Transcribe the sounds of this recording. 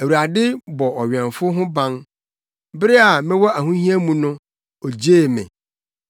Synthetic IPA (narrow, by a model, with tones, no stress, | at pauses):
æ˨wu˨ɾa˨dɪ˦bɔ˨ɔ˨ɥɛ̃˨nfʊ˦ɦʊ̃˦bã˦n | bɪ˦ɾɪ˦a˨mɪ̃˦wɔ˦ʔa˨ɦũ˦ɦĩ˦æ˦mũ˨nʊ̃˦ | ɔ˨d͡ʑeː˦˨mɪ̰̃˨